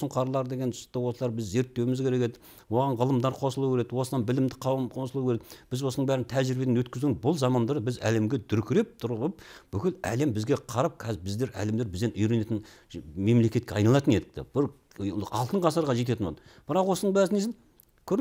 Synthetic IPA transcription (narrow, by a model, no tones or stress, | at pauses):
səɴqʰɑɾlˠɑɾd̪e̞ɡʲe̞nʊ̥st̪ːəwo̞səlˠɑɾbɪzːe̞ɾt̪ːe̞wɪmɪzkʲʰeɾe̞kʲed̪ɪ̥k | wo̞ʁɑnʁəlˠəmd̪ɑɾqʰo̞səlˠuwkʲeɾed̪wo̞sənɑnbɪlɪmd̪ɪqʰɑwəmqʰo̞səlˠuwkʲeɾeɪb̥ɪzwo̞sənəɴbæɾɪnt̪ʰæʒɪɾbed̪enwɵt̪̚kʲɪzd̪ɪŋzbʊlˠzɑmɑnd̪ɑɾbɪzæ̰le̞mɡʲe̞d̪ʏɾkʲʰɪɾe̞p̚t̪ʰʊɾʁəpb̥ʏkʲɪlæ̰lembɪzɡʲe̞qʰɑɾɑp̚kʲʰɑzbɪzd̪e̞ɾæ̰le̞md̪eɾbɪzd̪e̞nʏjɾe̞ne̞t̪ɪn | me̞mle̞kʲe̞t̪̚kʲeɑjnɑlˠɑt̪əne̞d̪ɪk̚t̪ḛb̥ɪɾ | ɑ̰lˠt̪əɴqʰɑsəɾʁɑʒe̞t̪̬e̞t̪ɪnwod̪ə | b̥ɪɾɑqwo̞sənəɴbæɾznesɪn | kʲʰɵɾ